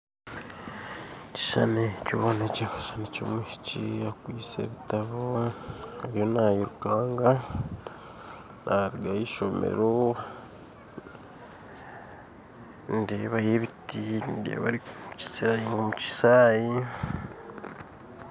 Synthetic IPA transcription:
ci̥ʃanecoβonecekaʃaneco̰miʃi̥ciakwiːt͡sḛβitaβohaɾijo̞najiɾukaːŋɡa | nʔaɾiɡajiʃomḛɾo | ndeβajeβitindḛβa̰ɾikuci̥seɾajiŋɡomuci̥saːji

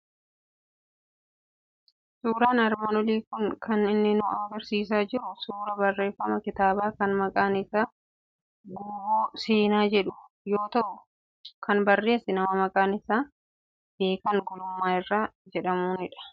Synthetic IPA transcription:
suːɾaːnɐɾmɐnɔleːkʊŋkʰɐnɪnːɪnʊʔaːɡɐɾsiːs̬aːd͡ʒɪɾʊsuːɾɐbɐrːe̞ːfːɐmɐkɪt̪aːbaːkɐnmɐkʼaːnɪsaː | ɡuːboːseːnaːd͡ʒɛᶑʊ̥ | jo̞ːt̪ɐʔʊ | kʰɐnbɐrːe̞ːsɪnɐmɐmɐkʼaːnɪsaː | b̥e̞ːkɐŋɡɔlʊmːaːɪrːaːd͡ʒɛᶑɐmuːnɪᶑɐ̥

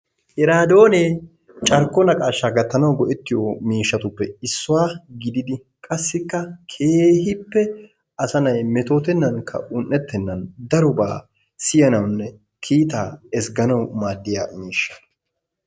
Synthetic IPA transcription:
hɛɾaːd̪o̞ːneː | t͡ʃʼɐɾkːɔnɐkʼaːʃːaɡɐt̪ːɐnɐwɡɔʔɛt̪ːɪjomiːʃːɐt̪ʊpːɛɪsːʊwaːɡɪd̪ɪd̪ɪ | kʼɐsːɪkːɐkʰeːhɪpːɛ | ɐsɐnɐjmɛt̪o̞ːt̪ɛnːɐŋkʰːɐ̰ʔʊnʔːɛt̪ːɛnːɐnd̪ɐɾʊba̰ː | sɪjɐnɐwnːɛ | kʰiːt̪aːɛsɡɐnɐwmaːd̪ːɪja̰ːmiːʃːɐ̥

